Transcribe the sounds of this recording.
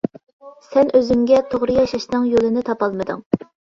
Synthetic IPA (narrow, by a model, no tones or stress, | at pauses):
sɛnʔøzyŋɡʲɛt̪ʰoʁɾɨjɑʃɑʃnɨŋjolˠɨnɪt̪ʰɑpɑlˠmɨd̪ɨ̰ŋ